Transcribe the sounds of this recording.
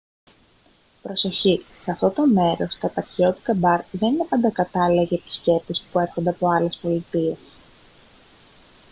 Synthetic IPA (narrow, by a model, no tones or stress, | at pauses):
pɾo̞so̞çiseɐft̪o̞t̪o̞me̞ɾo̞st̪ɐt̪ɐcio̞t̪i̥t̪ɐbɐɾðe̞nine̞pɐnd̪ɐkɐt̪ɐleʝep̚t̪i̥sce̞pispue̞ɾxond̪e̞ɐpo̞ɐle̞spo̞lit̪ie̞s